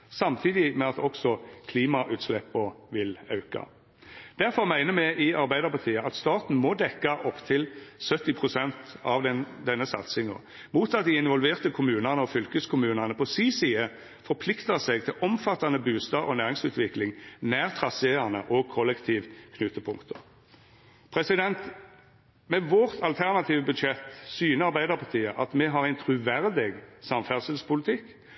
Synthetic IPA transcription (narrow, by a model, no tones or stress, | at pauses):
sɑmt̪ʰiːd̪ɪmɛɑt̪ɔksɔkʰliːmɑʔʉːt̪slɛpːəʋɪlɑʉkɑ̰ | d̪̥æɾfɔɾmæɪnəmæɪʔɪʔɑɾbæɪd̪əʁpɑt̪ʰiːəʔɑt̪st̪ɑːt̪n̩mɔd̪ɛkːɑʔɔpt̪ʰɪlsœt̪ːɪpʰʁʊsɛnt̪ɑʋd̪ɛnːəsɑ̰t̪sɪŋɔ̰ | muːt̪ɑt̪̚d̪ɪɪnʋɔlʋeːʁt̪əkʰʊmʉːnɑnəɔfʏlkəskʰʊmʉːnɑnəpʰɔsiːsiːə | fɔɾpʰlɪkt̪əsɛɡt̪ʰɪlʔɔmfɑt̪ːɑnəbʉːst̪ɑʔɔ̰næːɾɪŋsʉːt̪ʋɪklɪŋnæːʁt̪ʰʁɑseɑnə̰ʔɔkʰɔlːɛkt̪ʰiːʋkʰnʉt̪ːəpʰʊŋkt̪ʰə | pʰʁɛsɪd̪ɛnt̪ | mɛʋɔʁt̪ʰɑlt̪ʰæʁnɑt̪ʰiːʋəbʉd̪ʃɛt̪ːsyːnəɾɑʁbæɪd̪əʁpʰɑt̪ʰiːəʔɑt̪mɛɦɑʁæɪnt̪ʰʁʉʋæʁd̪ɪɡsɑmfæʁsɪlspʰʊlɪt̪ʰɪkː